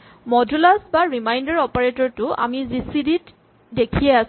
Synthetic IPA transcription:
mɔdulasbaɹimajndaɹɔpaɹetɔɹtʊa̰mizisidit | dekʰiɛas

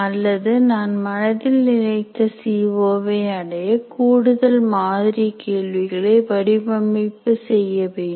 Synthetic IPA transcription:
ɐlːɐðɯnaːnmɐnɐðɪlnɪɻɐɪt̪ːɐsiːʋoːʋɐɐɽɐjɐkuːɽɯðɐlmaːðɪɾikeːɭʋɪɣɐɭeɪʋɐɽɪbɐmːɪpːɯsɛjːɐʋeːɳ

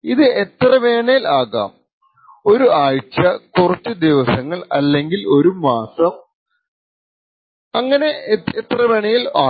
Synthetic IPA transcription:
iðɨet̪rɐʋeːɳɐjilaːɣa̰ːm | o̞ɾuaːɻt͡ɕːɐkurɐtʲːɨd̪iʋɐsɐŋːɐɭɐ̰lːe̞ŋɡilo̞ɾumaːsɐm | ɐŋːɐne̞et̪rɐʋe̞ːɳɐjilaː

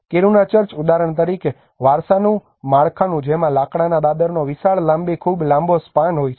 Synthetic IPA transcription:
keɾunat͡ʃəɾt͡ʃud̪aɾəɳt̪əɾike | ʋaɾsanũ | maɭkʰanũd͡ʒemãlakɽanad̪ad̪əɾnoʋɪsaɭlãmbekʰuːblãmbospanɦojt͡ʃʰ

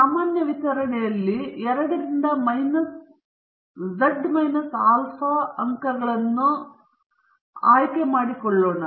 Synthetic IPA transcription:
saːmaːnjɐʋit̪ɐɾɐɳɛjɐlːiɛɾɐɽɐɾind̪ɐmɐjnɐs | d͡ʒɐɖːmɐjnɐsaːlfɐɐŋkɐɾɡɐɭɐnːu | aːjkemaːɽikɔɭːoːɳɐ

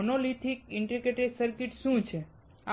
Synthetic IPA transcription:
noliʈʰikiɳʈɾikeʈesəɾkiʈʃũt͡ʃʰe | a

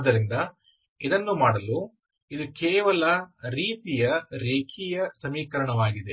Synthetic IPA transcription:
d̪ːɐɾind̪ɐ | id̪ɐnːumaːɽɐlu | id̪ukeːʋɐlɐɾiːt̪ijɐɾeːkʰijɐsɐmiːkɐɾɐɳɐʋaːɡid̪e̞

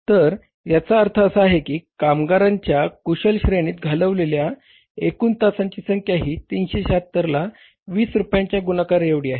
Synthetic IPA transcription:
t̪əɾ | jat͡saəɾt̪ʰəːsəaɦekiːkamɡaɾaɲt͡ɕjakuɕəlɕɾeɽ̃iːt̪̚ɡʱaləʋlelja | ekuːnt̪asaɲt͡ɕiːsəŋkʰjaɦiːt̪inɕeɕat̪ːəɾla | ʋiːsɾupjãɲt͡ɕjaɡunakaɾeʋɽiːaɦe

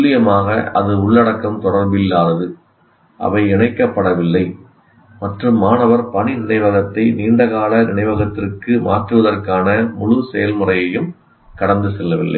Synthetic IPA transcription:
lːɪjɐmaːɣɐɐ̰ðɯʊɭːɐɽɐkːɐmt̪ɔɽɐɾbɪlːaːðɐðɯ | ʔɐ̰ʋɐɪɛɳɐɪkːɐpːɐɽɐʋɪlːɐɪ | mɐʈrɯmːaːnɐʋɐɾpɐɳinɪɳɐɪʋɐɣɐt̪ːɐɪniːɳɖɐɣaːlɐnɪɳɐɪʋɐɣɐt̪ːɪrkɯma̰ːʈrɯʋɐðɐrkaːnɐmʊɻʊsɛjɐlmɯrɐjɐjɯm | kɐɽɐnd̪ɯsɛlːɐʋɪlːʔɐ̰ɪ

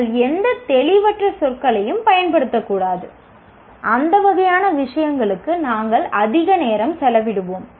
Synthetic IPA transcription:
ɭɛnd̪ɐt̪ɛɭɪʋɐʈrɐsɔrkɐɭɐjɯmpɐjɐnpɐɽɯt̪ːɐkːuːɽaːðɯ̰ | ʔɐnd̪ɐʋɐɣɐjaːnɐʋɪʂɐjɐŋɡɐɭɯkːɯnaːŋɡɐɭɐðɪɣɐneːɾɐmsɛlɐʋɪɽɯʋoːm

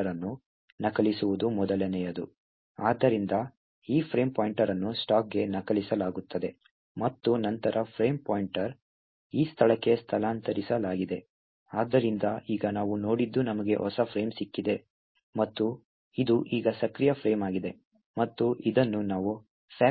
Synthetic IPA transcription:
ɐɾɐnːu | nɐkɐlisuʋud̪umɔd̪ɐlɐnɛjɐd̪u | aːd̪ːɐɾind̪ɐ | iːpʰɾeːmpaːjɳʈɐɾɐnːusʈaːk̚ɡe̞nɐkɐlisɐlaːɡut̪ʰːɐd̪e̞ | mɐt̪ːunɐnt̪ɐɾʔɐpʰɾe̞ːmpoːjiɳʈɐɾ | iːst̪ʰɐɭɐkːe̞st̪ʰɐlaːnt̪ɐɾisɐlaːɡid̪e̞ | aːd̪ːɐɾind̪ɐiːɡɐnaːʋuno̞ːɽid̪ːunɐmɐɡe̞̰ʔɔsɐpʰɾe̞ːmsikːid̪e̞ | mɐt̪ːu | id̪uʔiːɡɐsɐkɾijɐpʰɾe̞ːmaːɡid̪e̞ | mɐt̪ːuʔid̪ɐnːunaːʋu | pʰaː

